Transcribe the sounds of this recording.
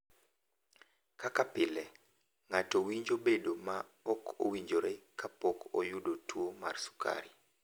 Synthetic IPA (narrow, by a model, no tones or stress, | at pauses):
kakapɪlɛ | ŋatowiɲd͡ʒobedomaɔkʰo̰wiɲd͡ʒoɾekapɔkʰojʊdotwomarsu̥ka̰ɾi